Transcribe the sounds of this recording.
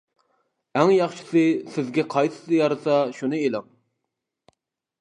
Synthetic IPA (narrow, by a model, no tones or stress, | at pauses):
æŋjɑχʃɪ̥sɨsɪzɡʲɛqʰɑjt̪ɨ̥t̪ɨjɑɾɨsɑʃunɨelɪŋ